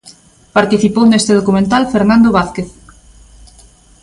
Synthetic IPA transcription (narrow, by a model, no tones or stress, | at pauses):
paɾt̪iθipownest̪eð̞okumẽnt̪alfeɾnãnd̪oβaθkeθ